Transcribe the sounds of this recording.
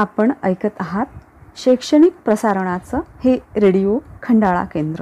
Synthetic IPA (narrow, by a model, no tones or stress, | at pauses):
apəɳəjkət̪aɦat̪̚ | ɕəjkʂəɳ̃ik̚pɾəsaɾəɳ̃at͡səheɾeɽijokʰəɳɖaɭa̰kend̪ɾə